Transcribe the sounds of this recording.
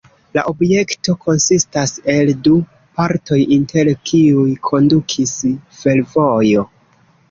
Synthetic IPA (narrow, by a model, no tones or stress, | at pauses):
laʔo̞bje̞kto̞kʰo̞nsistase̞ldu | paɾto̞jinte̞ɾkʰiujkʰo̞ndukʰisfe̞lvo̞jo̞